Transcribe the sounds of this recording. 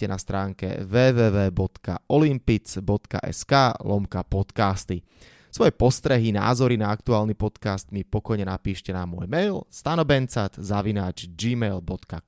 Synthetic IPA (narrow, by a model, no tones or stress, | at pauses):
ɛnast̪ɾaːŋkɛ̰ʋɛːʋɛːʋɛːbɔt̪ka̰ɔlimpit͡sbɔt̪ka̰ʔɛ̰skaːlɔmkapɔt̪kaːst̪i | sʋɔjɛpɔst̪ɾɛɦina̰ːzɔɾinaakt̪uaːlnipɔt̪kaːst̪mipɔkɔjɲɛnapiːʃcɛnamːʊɔ̰jmɛjlst̪anɔbɛnt͡sat̪zaʋinaːd͡ʒd͡ʒiːmɛjlbɔt̪ka